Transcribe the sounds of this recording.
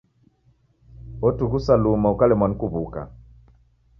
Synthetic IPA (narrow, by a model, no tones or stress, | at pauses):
ɔtuɣusalumaukalɛmwankuβuka̰